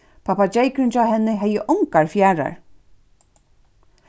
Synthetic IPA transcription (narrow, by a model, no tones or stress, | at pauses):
pʰapad͡ʒejkɾʏnt͡ʃaːhɛnːɪɦɛjːəʔɔŋkaɹfjaːɹa̰ɹ